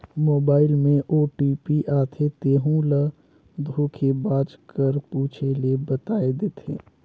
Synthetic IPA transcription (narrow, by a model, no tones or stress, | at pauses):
moːbaːɪlmẽʔoːʈiːpiʔaːt̪ʰet̪eːɦũlə | d̪ʱuːkʰebaːd͡ʒkəɾpuːt͡ʃʰelebət̪aːed̪eːt̪ʰḛː